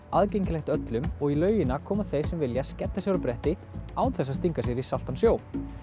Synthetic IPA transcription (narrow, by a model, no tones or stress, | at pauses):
aðcejɲcɪlɛxt̪œt̪lʏmɔɣilœːɥjɪnakʰɔːmaðθejɾ̥sɛmvɪljascɛt̪ːasɛɣɾʏpɾɛht̪ɪ | aːwθɛsːast̪iŋkas̬jɛɾisal̥t̪ansjoːwn